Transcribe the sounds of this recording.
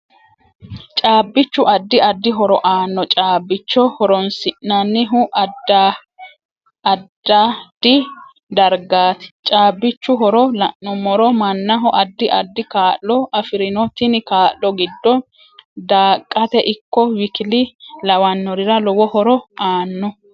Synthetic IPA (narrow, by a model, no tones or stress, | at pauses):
t͡ʃʼaːbːɪt͡ʃːʊʔɐd̪ːɪɐd̪ːɪɦɔɾɔʔaːnːɔt͡ʃʼaːbːɪt͡ʃːɔhɔɾɔnsɪʔnːɐnːɪɦʊʔɐd̪a | d̪̥ːad̪̥ɪ | d̪ɐɾɡaːt̪ɛ̥t͡ʃʼaːbːɪt͡ʃːʊɦɔɾɔlɐʔːɔmɔɾɔmɐnːɐɦɔʔɐd̪ːɪʔɐ̰d̪ːɪkaːʔːɔʔɐfɪɾɪnɔt̪ɪnɪkaːlːɔɡɪd̪ːɔ | d̪aːkʼːɐt̪ɛʔɪkːɔwɪkɪlɪlɐwɐnːɔɾɪɾɐlɔwɔhɔɾɔaːnːɔ